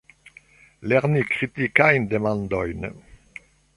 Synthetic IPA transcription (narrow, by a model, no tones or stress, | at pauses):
lɛʁnikʁit̪ikajnd̪emɑ̃nd̪ɔjn